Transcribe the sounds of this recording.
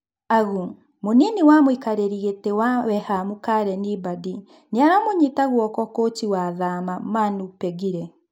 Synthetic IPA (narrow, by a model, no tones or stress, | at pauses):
aɣu | moniniwamoikaɾeɾiɣetewawɛhamukaɾɛnibadi | neaɾamoɲitaɣwɔkɔkotiwaðamamanupɛɣiɾɛ